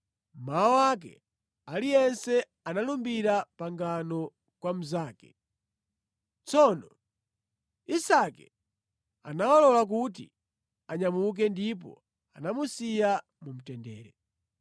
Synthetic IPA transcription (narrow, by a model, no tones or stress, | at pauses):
m̩maɔwak̬ɛ̰ | alijɛnsɛ | analumbiɾapaŋɡanɔ | kwam̩zaːkɛ | t͡sɔnɔ | isakɛ | a̰nawalɔlak̬ut̬ḭ | aɲamuk̬ɛndip̬ɔ̰ | a̰namusija | mum̩tɛndɛːɾɛ